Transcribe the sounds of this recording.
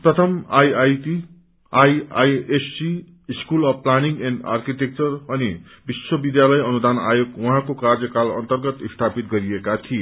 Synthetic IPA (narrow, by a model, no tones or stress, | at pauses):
prʌt̪ʰʌmajajti | ajajesi | iskulʌbplaniŋɡenɖa̰rkiʈ̪ek̚t͡sʌrʌni | biswʌbid̪jalʌjʌnud̪ana̰joɡwʌɦãkokard͡zjʌkalʌ̰nt̪ʌrɡʌt̪ist̪ʰapit̪ɡʌɾiekat̪ʰie